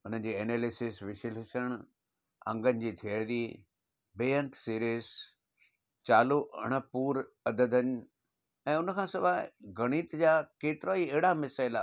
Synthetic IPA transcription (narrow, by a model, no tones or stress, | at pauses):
ʊn̤ən̆d͡ʑiːeːneːlɪsɪsʋɪʃəlɪsəɽ̃ | ɐ̰̃ŋɡənɪ̆d͡ʑiːt̪ʰiəɾiː | beːjə̃nt̪siːɾis | t͡ɕaːloʔɐ̰ɽ̃ə̆puːɾ | ɐd̪əd̪əɲ | ɛ̃ːʊnəkʰãːsɐbaɡɐɽ̃iːt̪d͡ʑaːkeːt̪ɪɾaieɦɪɽamɪsaːɪlaː